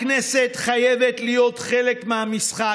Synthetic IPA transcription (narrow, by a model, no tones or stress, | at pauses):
kneset̪χajevet̪lijo̞t̪χe̞lekmehamisχa